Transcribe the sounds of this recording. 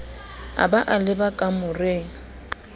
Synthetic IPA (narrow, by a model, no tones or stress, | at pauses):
a̰baʔalɪbakʼamʊrɪŋ̩